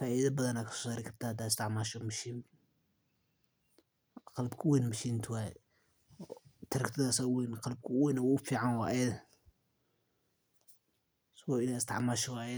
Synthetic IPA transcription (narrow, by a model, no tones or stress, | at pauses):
faːʔiðɐbɐðɐnakʰɐ̥sɔ̥saːɾɪkʰɐɾt̪ʰaːhɐd̪aːɪst̪ʰɪʕmaːʃɔmɐʃin | qɑlbkʰʊwɛjnɐmɐʃiːnt̪ʰwaːjɛ | t̪ʰɐɾɐkt̪ʰɐðaːsawinqɑlb̚kʰʊwɛnɐwaʊfiːʕanwa̰ːjɛ | swaɪnaɪst̪ʰɪ̰ʕmaːʃɔwajɛ